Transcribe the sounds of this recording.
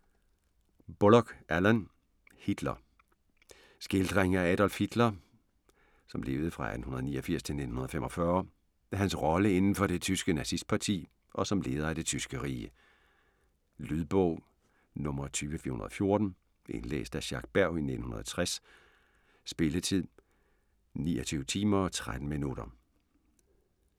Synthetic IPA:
b̥olɒɡ̥ʔælæn | hid̥lɐ | sɡ̥e̝ld̥ʁeŋɐææɾ̥ɒ̽lfhid̥lɐ | sɒ̽mle̝ːʊð̞̩ˠfʁɑ̈æ̰d̥n̩hunɐðˠnḭːɐfiɐ̰st͡sʰe̝lne̝̥n̩hunɐðˠfemɒ̽fɶɐ | eɦænsʁɒ̽ləe̝nn̩fɒ̽ɾ̥e̝t͡sʰysɡ̥ənæsisd̥̚pʰɑ̈t͡sʰḭː | ʔɒ̽sɒ̽mle̝ːð̞ˠɐæd̥e̝t͡sʰysɡ̥əʁiːə | lyðˠb̥ɔ̰ʊ̰ | nɔ̽mɐt͡sʰyːʋəfḭɐunɐðˠfjo̝ɐd̥n̩ | ʔḛnlḛːsd̥æɕɑ̈ɡ̥̚b̥æɐ̰ʊine̝d̥n̩hunɐðˠt͡sʰʁas | sb̥e̝lət͡sʰið̰ˠ | nḭːɒt͡sʰyːʊət͡sʰiːmɐɒt͡sʰʁad̥n̩minuɾ̥ɐ

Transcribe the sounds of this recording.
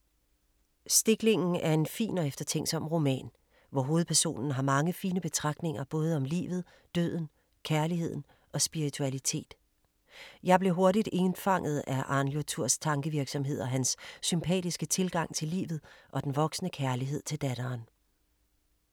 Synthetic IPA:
sd̥e̝ɡ̥le̝ŋn̩æɐe̝nfḭːnɒ̽efd̥ɐt͡sʰeŋ̰̥sɒ̽m̰ʁo̝mɛ̰ːn | ʋɒɦo̝ːð̞̩ˠpʰæɐso̝̰ːnn̩ɦɑ̈mɑ̈ŋəfiːnəb̥e̝t͡sʰʁɑ̈ɡ̥̚d̥ne̝ŋɐb̥ɔ̽ːð̞ˠɒ̽mlḭːʋð̞̩ˠ | d̥ø̰ð̰ˠn̩ | kʰæɐliɦe̝ð̰ˠn̩ | ɒ̽sb̥iʁit͡sʰuælit͡sʰe̝̰ːd̥ | jɑ̈ɪb̥le̝ɦo̝ɐɾid̥e̝nfɑ̈ŋ̰ð̩ˠæʔɑ̈njot͡sʰuɐ̰st͡sʰɑ̈ŋɡ̥əʋiɐɡ̥sɒ̽mɦe̝ð̞̰ˠɐɦænsːympʰɛ̰ːd̥isɡ̥ət͡sʰe̝lɡ̥ɑ̈ŋ̰t͡sʰe̝lḭːʋð̞̩ˠʔɒ̽d̥enʋɒ̽ɡ̥snəkʰæɐliɦe̝ð̞̰ˠt͡sʰe̝ld̥æɾ̥ɐːn

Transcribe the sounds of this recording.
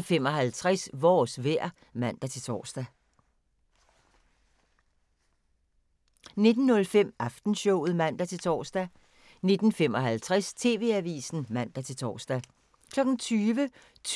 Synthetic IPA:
fem̰ɒ̽ɦælt͡sʰʁasʋɒːsʋæɐ̰ | mæn̰d̥æt͡sʰe̝lt͡sʰɒ̰ːsd̥æ | ne̝d̥n̩ːɔ̽lfem̰ɑfd̥n̩ɕɔʊ̰ð̞̩ˠmæn̰d̥æt͡sʰe̝t͡sʰɒ̰ːsd̥æ | ne̝d̥n̩fem̰ɒ̽ɦælt͡sʰʁast͡sʰe̝ːʋe̝̰æʋḭːsn̩mæn̰d̥æt͡sʰe̝lt͡sʰɒ̰ːsd̥æ | kʰlɒ̽ɡ̥n̩t͡sʰyːʋə | t͡sʰ

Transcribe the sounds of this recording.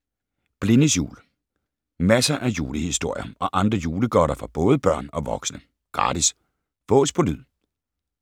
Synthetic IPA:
b̥le̝nəsjṵːl | mæsɐʔæjuːləhisd̥o̝ɐ̰jɐʔɒ̽ʔɑ̈nd̥ʁɐjuːləɡ̥ɒɾɐfɑ̈b̥ɔ̽ːð̞ˠəb̥ɶɐ̰nɒ̽ʋɒ̽ɡ̥snə | ɡ̥ʁɑ̰̈ːdis | ʋ̥ɔ̰̽ːspʰɒlyð̰ˠ

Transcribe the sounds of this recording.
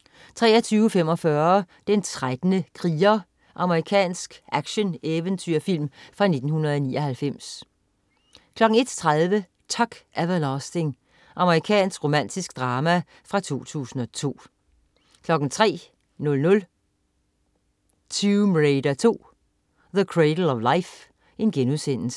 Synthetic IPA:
t͡sʰʁɛ̰ːɐt͡sʰyːʊfem̰ɒ̽fɶɐd̥ent͡sʰʁad̥nəkʰʁiːɐ | ʔɑ̈məʁikʰɛ̰ːnsɡ̥ʔæɡ̥ɕəneʋənt͡sʰyɐ̰fil̰mfʁɑ̈ne̝d̥n̩hunɐð̩ˠɒnḭːɒ̽hælfem̰s | kʰlɒ̽ɡ̥n̩e̝d̥t͡sʰʁaðˠʋə | t͡sʰɒɡ̥ʔæʋælɒsd̥e̝ŋ | ʔɑ̈məʁikʰɛ̰ːnsɡ̥ʁo̝mæn̰d̥isɡ̥d̥ʁɑːmæ | fʁɑ̈t͡sʰo̝̰ːt͡sʰṵːsn̩ɒ̽t͡sʰo̝̰ː | kʰlɒ̽ɡ̥n̩t͡sʰʁɛ̰ː | nɔ̽lnɔ̽l | t͡sʰymʁeɪd̥æt͡sʰo̝̰ː | ðəkʰʁed̥l̩ɒʋläɪf | e̝nɡ̥enusen̰̩sə̥

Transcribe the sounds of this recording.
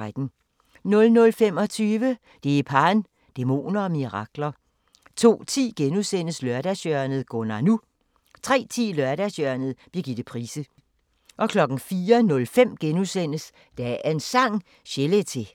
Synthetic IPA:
ad̥n̩ | nɔ̽lnɔ̽lfem̰ɒ̽t͡sʰyːʋə | d̥e̝ipʰɑ̈ːn | d̥emo̝̰ːnɐɒ̽miʁɑ̈ɡ̥lɐ | t͡sʰo̝̰ːt͡sʰḭːɡ̥enusen̰əslœɐɾ̥æsœɐnð̩ˠɡ̥onɑ̈nu | t͡sʰʁɛ̰ːt͡sʰḭːlœɐɾæsjœɐnð̞̩ˠb̥liɐɡ̥id̥ð̩ˠpʰʁḭːsə | ʔɒ̽kʰlɒ̽ɡ̥n̩fiːɐnɔ̽lfem̰ɡ̥enuðˠsen̰əs | d̥æænsɑ̈ŋ̰ | ɕelet͡sʰe̝

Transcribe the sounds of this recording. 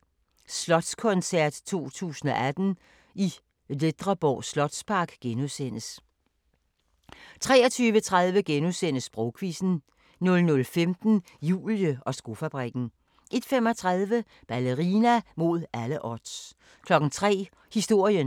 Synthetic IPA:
slɒ̽d̥skʰɔ̽nsæɐ̰d̥t͡sʰo̝̰ːt͡sʰṵːsn̩ɒ̽ʔæd̥n̩ | i | led̥ʁɐb̥ɒʊ̰slɒ̽d̥spʰɑ̈ɡ̥ɡ̥enuðˠsen̰əs | t͡sʰʁɛːɐt͡sʰyːʋət͡sʰʁäð̞ˠʋəɡ̥enuðˠsen̰əsb̥ʁɔʊkʰʋisn̩ | nɔlnɔ̽lfemd̥n̩ | jṵːljəɒ̽sɡ̥o̝fæb̥ʁiɡ̥n̩ | ʔe̝d̥fem̰ɒ̽t͡sʰʁaðˠʋə | b̥æləʁinæmo̝ð̞̰ˠæləʔɒd̥s | kʰlɒ̽ɡ̥n̩t͡sʰʁɛ̰ː | hisd̥o̝ɐ̰jən

